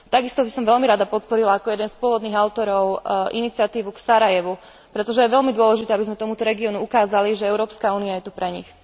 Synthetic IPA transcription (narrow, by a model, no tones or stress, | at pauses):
t̪aɡist̪ɔbisɔmʋɛlmiɾad̪apɔt̪̚pɔɾilaːkɔjɛd̪ɛnspʊɔʋɔd̪niːɣaʊt̪ɔɾɔʊʔinit͡sɪat̪iːʋuksaɾajɛʋu | pɾɛt̪ɔʒɛjɛʋɛlmid̪ʊɔlɛʒit̪ɛːabizmɛt̪ɔmut̪ɔɾɛɡiɔnuukaːzaliʒɛɛʊɾɔːpskauːniajɛt̪upɾɛɲḭx